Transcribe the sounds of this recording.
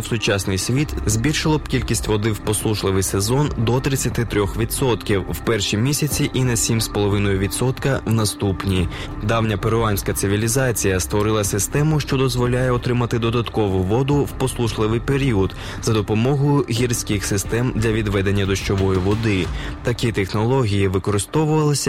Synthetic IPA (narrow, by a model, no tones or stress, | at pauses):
wsʊt͡ʃɑsnɪjsʲʋʲit̪zʲbʲilʲʃɪlˠɔbkʲilʲkʲisʲtʲʋɔd̪ɪwpɔslˠuʃlˠɪʋɪjsezɔnd̪ɔt̪ɾɪt͡sʲːɐt̪ɪt̪ɾʲɔxʋʲit̪sɔt̪kʲiwwpɛrʃimʲisʲɐt͡sʲiʔinɐsʲimspɔlˠɔʋɪnɔjʊʋʲit̪sɔt̪kɐwnɐst̪upnʲi | d̪ɑwnʲɐpeɾʊɑnʲsʲkɐt̪sɪʋʲilʲizɑt͡sʲijɐst̪ʋɔɾɪlˠɐsɪst̪ɛmʊʃt͡ʃɔd̪ɔzʋɔlʲajɛɔt̪ɾɪmɐt̪ɪd̪ɔd̪ɐt̪kɔʋʊʋɔd̪ʊwpɔslˠuʃlˠɪʋɪjpeɾʲiɔd̪ | zɐd̪ɔpɔmɔɦʊjʊɦʲirsʲkɪxsɪst̪ɛmd̪lʲɐʋʲid̪ʋɛd̪e̞nʲːɐd̪ɔʃt͡ʃɔʋɔjʊʋɔd̪ɪt̪ɐkʲit̪exnɔlˠɔɦʲijiʋɪkɔɾɪst̪ɔʋʊʋɐlˠɪsʲɐ